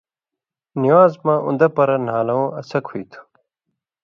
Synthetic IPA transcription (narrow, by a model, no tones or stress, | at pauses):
niwaːzmãʔṵ̃nd̪ɐpɐɾɐnaːlɐõːʔɐsɐkʰoit̪ʰu̥